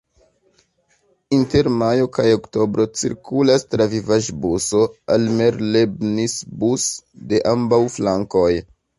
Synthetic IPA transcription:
inte̞ɾmajo̞kajo̞kto̞bɾo̞t͡sḭɾkulastɾavivaʒbuso̞alme̞ɾlebnisbusde̞ʔambawflaŋko̞j

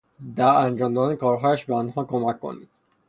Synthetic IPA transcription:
d̪æɾænd͡ʒɒːmd̪ɒːd̪ænekʰɒːɾɦɒːjæʃbeɒnɦɒːkʰomæcʰːo̰nḭːd̪̥

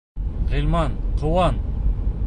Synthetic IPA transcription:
ʁilʲmɑnqʰŏwɑn

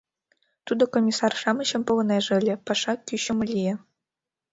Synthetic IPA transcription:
t̪ud̪ŏkomʲisɑrʂɑmɤ̆ɕɤ̆mpŏlɤ̆nɑʐ̆lʲɘ̆pɑʂɑkʲyɕŏmɤ̆lʲije

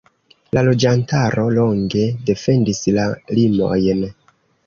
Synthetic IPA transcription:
lalo̞d͡ʒantaɾo̞lo̞ŋɡe̞de̞fe̞ndislalimo̞̰jn

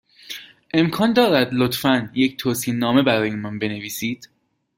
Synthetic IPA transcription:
ʔe̞mkʰɒːnd̪ɒːɾæd̪lot̪fænje̞cʰt̪ʰoːsiːnːɒːme̞bæɾɒːjimɒnbe̞ne̞viːsiːd̪̥

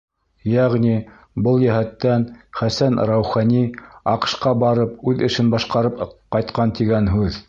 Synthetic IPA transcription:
jæʁni | bɤlˠjæhæt̪ːænχæsænɾawχɑniɑqɤ̥̆ʃqɑbɑɾɤp̚ʉðɘ̆ʃɘnbɑʃqɑɾɤpqɑjt̪qɑnt̪iɡænɦʉð

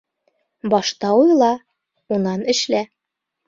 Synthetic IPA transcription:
bɒʃt̪ɑujlˠɑ | unɑnɘ̆ʃlæ

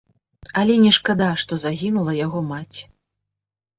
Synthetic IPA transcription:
ɐlʲɛnʲɛʂkad̪aʂt̪ɔzaɣʲinulˠɐjaɣɔmat͡sʲ

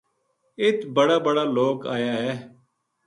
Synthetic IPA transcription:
ɪt̪bəɽaːbəɽaːloːka̰ːjaːɦɛː

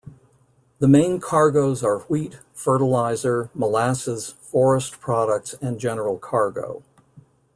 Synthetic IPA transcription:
ðəmẽɪ̃nkʰɑɹɡoʊzə˞wit | fɜ˞ɾəlaɪzə˞məlæsɨz̥fɔɹəspʰɹ̥ɑɾək̚tsɨ̃nd͡ʒɛnə˞l̩ˠkʰɑɹɡo̰ʊ

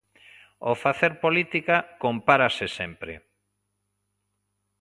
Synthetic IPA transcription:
ofaθeɾpolit̪ikakompaɾasɪsɛmpɾḛ

